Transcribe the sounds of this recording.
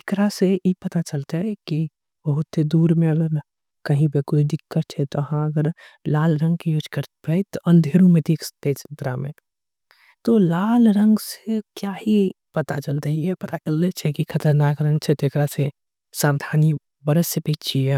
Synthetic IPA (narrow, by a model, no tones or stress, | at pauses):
ɪkɾaseipɐt̪at͡ʃəlt̪aɦɛki | bəɦʊt̪sed̪uːɾmẽɐɡəɾ | kɐɦĩpekʊt͡ʃʰd̪ɪkːət̪̚t͡ʃʰɛt̪oɐɦãɐɡəɾlaːlɾə̃ŋɡ̚kijoːd͡ʒkəɾt̪pɛit̪oʔɐ̃nd̪ʱeːɾũmẽd̪ikt̪et͡ʃɪ̥nt̪ɾamẽ | t̪olaːlɾə̃ŋɡsekjaːhi | pɐt̪at͡ʃəlt̪əɦiɦɛpɐt̪at͡ʃəlːet͡ʃʰɛkikʰɐt̪əɾnaːkɾə̃ŋt͡ʃʰɛt̪oɪkɾase | saːʋd̪ʱaːni | bɐɾəsːjepeːt͡ʃʰiɛ